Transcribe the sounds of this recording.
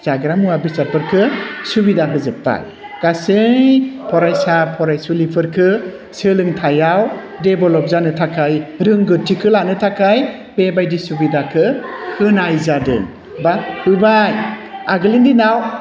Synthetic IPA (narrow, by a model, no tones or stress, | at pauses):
zaɡɾamuabisaɾpʰɯɾkʰɯsubidaɦɯzɯpːa̰j | ɡ̥asɯŋpʰɔɾajsapʰɔɾajsulipʰɯɾkʰɯ | sɯlɯŋtʰajaw | debɔlɔp̚zanɯtʰakʰajɾɯŋɡɯtʰikʰɯlanɯtʰakʰaj | b̥ebajdisubidakʰɯhɯnajzadɯ̰ŋ | bahɯbajaɡɯlindinaw